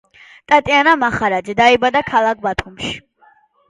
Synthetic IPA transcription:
t̪ʼat̪ʼianamaχaɾad̪d͡ʒɛd̪aibad̪akʰalˠak̚ʰbat̪ʰumʃi̥

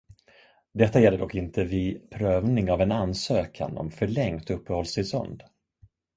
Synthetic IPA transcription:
d̪ɛt̪ːajɛlːəɖɔkːɪnt̪ʰəvɪpʰɾøːvnɪŋavɛnansøːkʰa̰nɔ̰mfœɭɛŋt̪ɵpːəhɔlst̪ɪsɔ̰nd̪

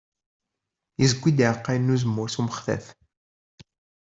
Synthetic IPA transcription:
izɡʷːid̪iʕəqːajnːuzəmːʊɾθuməχθæ̰θ

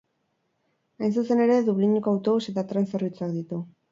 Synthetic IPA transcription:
ajns̬use̞ne̞ɾe̞ðuβliɲukawt̪o̞βuse̞t̪at̪ɾanserβit͡suak̚d̪it̪u

